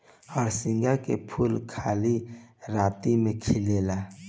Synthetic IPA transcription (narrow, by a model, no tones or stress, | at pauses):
ɔːɾsɪ̃ŋɡakḛpʰulkʰaːliɾaːt̪imẽkʰɪleːlaː